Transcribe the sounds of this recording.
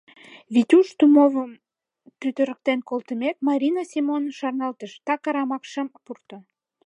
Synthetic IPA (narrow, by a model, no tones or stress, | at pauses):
βit̪ʲuʃt̪umovəm | pyt̪əɾə̆k̚t̪enkolt̪əmek̚mɑɾʲinɑsimonʃɑrnɑlt̪əʃt̪ɑkɑɾɑmɑkʃəmpurt̪o